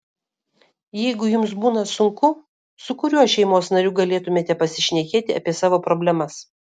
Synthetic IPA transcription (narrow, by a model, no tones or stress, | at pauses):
jɛɪɡʊjʊmsbuːnɐsʊŋkʊ | sʊkʊɾʲuɔʃʲɛɪmoːsnɐɾʲuːɡɐlʲeːt̪ʊmʲeːt̪ʲɛpɐsʲɪʃʲnʲɛkʲeːt̪ʲɪɐ̰pʲiɛsɑːʋoːpɾoːbʲlʲɛmɐs